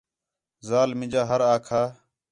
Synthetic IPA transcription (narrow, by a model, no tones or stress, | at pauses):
zaːlmɪ̃d͡ʒaːɦəɾaːkʰaː